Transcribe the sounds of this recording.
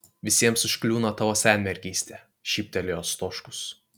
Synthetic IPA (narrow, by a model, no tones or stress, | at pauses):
ʋʲɪsʲiɛmsɪʃklʲuːnɐt̪ɐʋoːsʲæːnʲmʲɛɾʲɡʲiːsʲt̪ʲɛ | ʃʲiːp̚ʲt̪ʲɛlʲɪjoːst̪oːʃkʊ̥s